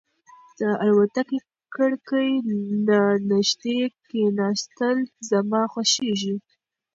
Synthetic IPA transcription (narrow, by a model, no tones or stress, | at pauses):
d̪̥əalwat̪ake | kəɽkəjnɑnaʒd̪ekenɑst̪əlzamɑxwaʃeʒi